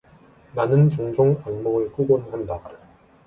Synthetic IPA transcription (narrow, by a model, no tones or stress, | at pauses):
nanɯnt͡ɕoŋd͡ʑoŋanmoɡɯɭk͈uɡonhanda